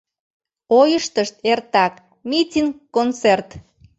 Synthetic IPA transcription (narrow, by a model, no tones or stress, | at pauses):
ojəʃt̪əʃt̪ert̪ɑk | mitʲiŋkont͡sert̪